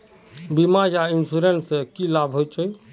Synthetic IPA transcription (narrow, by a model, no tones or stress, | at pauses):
bimajainsuɾensekilabʱɦojt͡ʃʰəj